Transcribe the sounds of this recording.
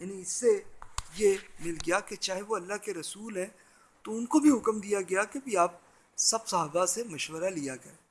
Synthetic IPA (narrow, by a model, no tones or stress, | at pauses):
jaːniɪsːejemɪlɡɐjaket͡ʃaːɦeʋoɐlːaɦkeɾɐsuːlɦɛ̃ː | t̪oʊnkobʱiɦʊkmd̪ijaɡɐjakebʱiaːp̚ | sɐbsɐɦaːbasemɐʃwəɾalijaɡɐeː